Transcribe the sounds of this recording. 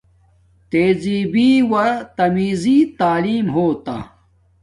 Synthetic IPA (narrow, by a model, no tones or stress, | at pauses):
t̪eːziːbiːwɐt̪ɐmiːziːt̪aːliːmɦoːt̪a̰